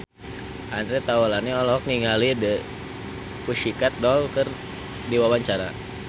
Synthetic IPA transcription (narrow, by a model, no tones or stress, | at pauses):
ʔanɾɛt̪aɔlaniɔlɔk̚niŋalidə | kuʃikat̪̚dɔlkər | diwawaɲt͡ʃaɾa̰